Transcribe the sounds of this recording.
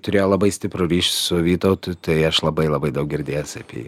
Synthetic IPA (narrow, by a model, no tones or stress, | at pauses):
t̪ʊɾʲeːjoːlˠɐbɐɪsʲt̪ʲɪpɾʊɾʲiːʃʲsʊʋʲiːt̪ɐʊt̪ʊt̪ɐɪɐʃlˠɐbɐɪlˠɐbɐɪd̪ɐʊk̚ɡʲɪɾʲd̪ʲeːjosɐpʲḭː